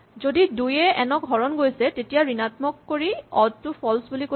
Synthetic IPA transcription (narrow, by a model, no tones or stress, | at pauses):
zodidujɛɛnɔkɔɹɔnɡojsɛtetijaɹinatmɔkːoɹiɔd̚tʊpʰɔlsbuliko